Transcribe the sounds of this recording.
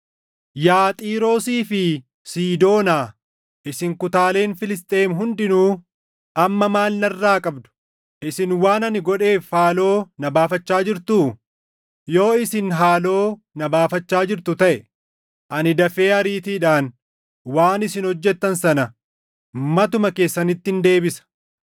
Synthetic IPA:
jaːt̪ʼiːɾo̞ːsiːfɪ | siːd̪o̞ːnaː | ʔɪsɪŋkʊt̪aːle̞ːnfɪlɪst̪ʼe̞ːmɦʊnd̪ɪnuː | ʔɐmːɐmaːlːɐrːaːkʼɐbd̪ʊ̥ | ʔɪsɪnwaːnɐnɪɡɔᶑe̞ːfhaːlo̞ːnɐbaːfɐt͡ʃːaːd͡ʒɪɾt̪uː | jo̞ːɪsɪnɦaːlo̞ː | nɐbaːfɐt͡ʃːaːd͡ʒɪɾt̪ʊt̪ɐʔɛ | ʔɐnɪd̪ɐfe̞ːɐɾiːt̪iːᶑaːn | waːnɪsɪnhɔd͡ʒːɛt̪ːɐnsɐnɐ | mɐt̪ʊmɐke̞ːsːɐnɪt̪ːɪnd̪e̞ːbɪsɐ̥

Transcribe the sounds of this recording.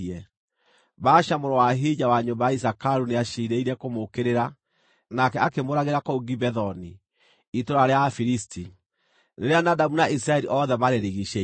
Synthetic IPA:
ɛ | baːʃamoɾowaɦid͡ʑawaɲombajais̬akaɾuneaʃiɾeiɾɛkomokeɾeɾa | nakɛakemoɾaɣeɾakouɡibɛðɔni | itoɾaɾeafiɾisti | neɾeanadamunaʔis̬ɾaɛɾiʔɔðɛβaɾeɾeɣiʃe

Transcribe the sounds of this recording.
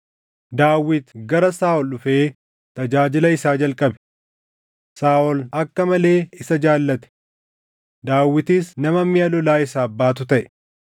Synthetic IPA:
d̪aːwːɪt̪ɡɐɾɐsaːʔɔlʊfeː | t̪ɐd͡ʒaːd͡ʒɪlɐɪsaːd͡ʒɐlkʼɐbɛ̥ | saːʔɔlɐkːɐmɐle̞ːɪsɐd͡ʒaːlːɐt̪ɛ̥ | d̪aːwːɪt̪ɪsnɐmɐmːɪɐlɔlaːɪsaːbːaːt̪ʊt̪ɐʔɛ̥

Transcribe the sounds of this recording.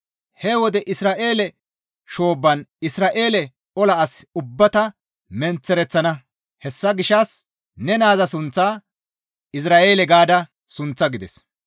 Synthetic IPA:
hɛwɔd̪ɛʔɪsɾaːʔe̞ːlɛ | ʃo̞ːbːɐnɪsɾaːʔeːlɛ | ʔɔlɐːsʊbːɐt̪ɐ | mɛnt͡sːɛɾɛt͡sːɐnɐ | hɛsːɐɡɪʃɐs | nɛnaːzɐsʊnt͡sːaː | ʔɪs̬ɾaːʔe̞ːlɛɡaːd̪ɐ | sʊnt͡sːɐɡɪd̪ɛs

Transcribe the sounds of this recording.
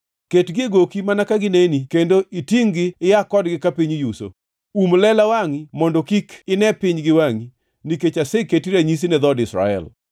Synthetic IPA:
ketɡɪɡokimanakaɡɪnenikendoʔitiŋɡɪɪjakɔdɡɪkapiɲjuso̰ | umlɛlawaŋimɔndɔkikɪnɛpɪɲɡɪwaŋi | niket͡ʃaseketiɾaɲis̬inɛðɔdɪsɾa̰ɛ̰l

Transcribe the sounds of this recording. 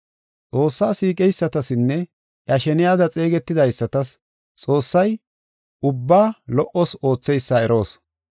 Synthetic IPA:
t͡sʼo̞ːsːaːsiːkʼɛjsːɐt̪ɐsɪnːɛ | ʔjɐʃɛnɪjaːd̪ɐt͡sʼe̞ːɡɛt̪ːɪd̪ɐjsːɐt̪ɐs | t͡sʼo̞ːsːɐj | ʊbːaːlɔʔɔso̞ːt͡sːɛjsːɐɛɾʔo̞ːs

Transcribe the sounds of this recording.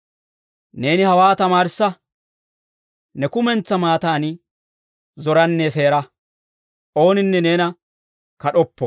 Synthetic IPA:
ne̞ːnɪhɐwaːt̪ɐmaːɾɪsːɐ | nɛkʊmɛnt͡sːɐmaːt̪aːn | zɔɾɐnːeseːɾɐ | ʔo̞ːnɪnːɛne̞ːnɐ | kɐɗɔpːɔ

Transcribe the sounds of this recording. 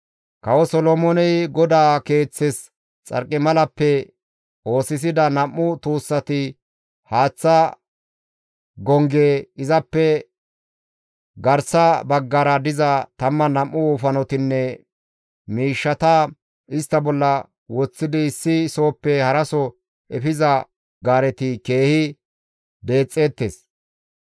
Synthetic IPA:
kɐwɔsɔlɔmɔnɛjɡɔd̪aːke̞ːt͡sːɛs | t͡sʼɐ̰ɾkʼːɪmɐlɐpːɛ | o̞ːsɪs̬ɪd̪ɐnɐmːʊt̪uːsːɐt̪ɪ | haːt͡sːɐ | ɡɔŋɡeːɪzɐpːɛ | ɡɐɾsɐbɐɡːɐɾɐd̪ɪzɐt̪ɐmːɐnɐmːʊuːfɐnɔt̪ɪnːɛ | miːʃːɐt̪ɐ | ʔɪst̪ːɐbɔlːɐ | wɔt͡sːɪd̪ɪːsːɪso̞ːpːɛhɐɾɐsɔ | ʔɛfɪzɐ | ɡaːɾɛt̪ɪke̞ːhɪ | d̪e̞ːt͡sʼːe̞ːt̪ːes

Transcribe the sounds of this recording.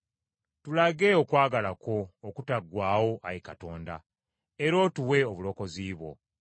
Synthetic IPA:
tulaɡe̞okwaːɡalako̞ːkutaɡwaːwo̞ʔajikato̞ːnda̰ | eɾo̞ːtuwe̞oβulo̞ko̞ziːβwo̞̰

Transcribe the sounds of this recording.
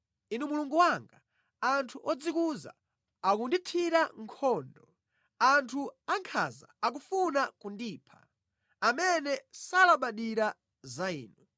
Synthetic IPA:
inumuluŋɡuwaŋɡa | antʰuʔɔd͡zikuza̰ | akunditʰiɾaŋkʰɔndɔ | antʰuaŋkʰa̰za̰ːk̬ufunakundiːpʰḁ̰ | amɛnɛsalaɓaɗiɾa | zaḭːnu

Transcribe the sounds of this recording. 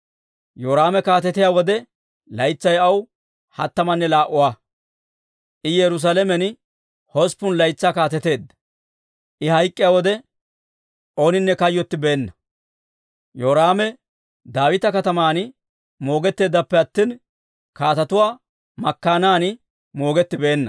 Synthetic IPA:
joːɾaːmɛkaːt̪ɛt̪ɪjaːwɔd̪ɛ | lɐjt͡sːɐjɐw | hɐt̪ːɐmɐnːɛlaːʔʊwaː | ʔɪjɛɾʊs̬aːlɛmɛn | hɔspʊnlɐjt͡sːaːkaːt̪ɛt̪e̞ːd̪ːɐ̥ | ʔɪhɐjkʼːɪjaːwɔd̪ɛ | ʔo̞ːnɪnːɛkɐjːɔt̪ːɪbe̞ːnːɐ | joːɾaːmɛ | d̪aːwɪt̪ɐkɐt̪ɐmaːn | mo̞ːɡɛt̪ːe̞ːd̪ːɐpːɛɐt̪ːiːn | kaːt̪ɐt̪ʊwaː | mɐkːaːnaːnɪ | mo̞ːɡɛt̪ːɪbe̞ːnːɐ

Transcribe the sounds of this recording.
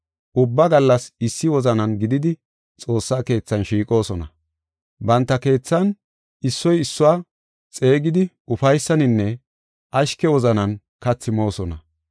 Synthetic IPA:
ʔʊbːɐɡɐlːɐsɪsːɪwɔzɐnɐnɡɪd̪ɪd̪ɪ | t͡sʼo̞ːsːaːke̞ːt͡sːɐnʃiːkʼo̞ːsɔnɐ̰ | bɐnt̪ːɐke̞ːt͡sːɐn | ɪsːɔjɪsːʊwaː | t͡sʼe̞ːɡɪd̪ɪ | ʊfɐjsːɐnɪnːɛ | ʔɐʃkɛwɔzɐnɐn | kɐt͡sːɪmo̞ːsɔnɐ̰

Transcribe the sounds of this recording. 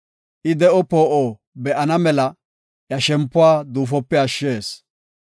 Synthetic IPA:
ʔɪd̪ɛʔɔpoːʔoː | bɛʔɐnɐmɛlɐ | jɐʃɛmpːʊwaːd̪uːfɔpːɛɐʃːeːs

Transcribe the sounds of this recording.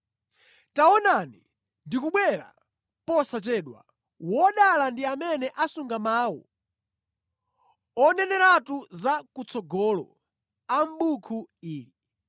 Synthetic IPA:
taɔnani | ndikuɓwɛɾa̰ | pɔsat͡ʃɛːɗwa̰ | wɔɗalandiamɛnɛʔasuŋɡamaːwɔ̰ | ɔnɛnɛɾatuzakut͡sɔɡɔlɔ̰ | am̩ɓukʰuiːli

